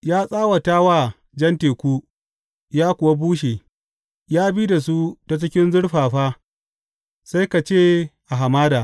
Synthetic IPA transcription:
jaː˦sʼaː˦wa˨taː˦waː˦˨ | d͡ʒɐ˦nteː˨kʷu˦ | jaː˦kʷʊ˨wa˦buː˦ʃeː˨ | jaː˦biː˦da˨s̬u˦ta˦t͡ʃɪ˦kʲɪ˦nzʊ˦ɽɸaː˨ɸaː˦ | sa˦jka˨t͡ʃeː˦˨ʔa˨ɦa˨maː˦daː˨

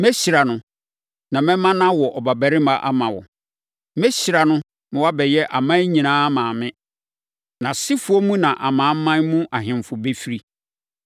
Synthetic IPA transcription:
mɛ˦ɕi˨ɾa˨nʊ̃˨ | nã˨mɛ̃˦mã˦nã˦wɔ˨ʔɔ˨ba˨bæ˨ɾɪ˦mã˦ʔa˦mã˨wɔ̰˨ | mɛ˦ɕi˨ɾa˨nʊ̃˦ | mɪ̃˨˦wa˦bɛ˨jɛ˦ʔa˨mã˦ɲĩ˨nãː˦a˦mãː˨mɪ̃˦ | nã˨sɪ˦fʊ˦ɔ˦mũ˦nã˨ʔa˨mãː˨˦m˦mːã˦nmũ˦ʔa˨ɦɪ̃˨m˨fʊ˨be˦fi˦ɾi˦

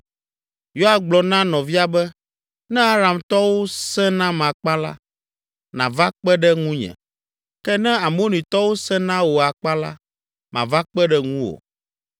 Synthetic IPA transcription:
jo˦a˨ɡ͡blɔ˨nã˦nɔ̃˨vi˦a˨bɛ˦ | nɛ̃˦a˦ɾa˨mt̪ɔ˦wo˦sɛ̃˦nã˦mã˨k͡pa˦la̰˦ | nã̰˨va˦k͡pɛ˦ɖɛ˦ŋũ˦ɲɛ̰̃˨ | kɛ˦nɛ̃˦a˨mõ˦nĩ˨t̪ɔ˦wo˦sɛ̃˦nã˦wo˨a˨k͡pa˦la̰˦ | mã̰˨va˦k͡pɛ˦ɖɛ˦ŋũ˦wo̰˨

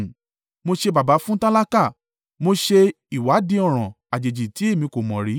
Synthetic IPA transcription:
mo˧ʃe˧ba˨ba˨˦fũ˦tã˦la˦ka˦˨ | mo˧ʃe˧ | i˨wa˨˦dĩ˧ɔ˦˨ɾ̃ɔ̃˨ | a˨d͡ʒe˨d͡ʒi˨ti˨˦e˦˨mĩ˧ko˨mɔ̃˨ɾi˨˦

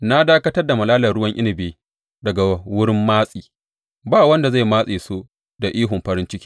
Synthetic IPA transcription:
na˦daː˦kɐ˦tɐ˦rda˨mɐ˨laː˦lɐ˨rɽʊ˦wɐ˦ŋʔɪ̰˦nɪ˨beː˨ | dɐ˨ɡa˨wʊ˦ɽɪ˦mːaː˦sʼiː˨ | baː˦˨wɐ˦nda˨za˦˨jmaː˦sʼeː˨soː˦ | da˨ʔiː˦ɦʊ˨mɸɐ˦ɾɪ˦nt͡ʃɪ˦kʲiː˦

